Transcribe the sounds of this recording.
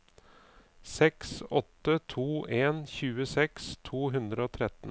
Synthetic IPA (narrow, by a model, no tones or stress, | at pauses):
sɛksɔt̪ːət̪ʰuːʔeːnçʉːəsɛkst̪ʰuːɦʉnd̪ɾəoːt̪ʰɾɛt̪n̩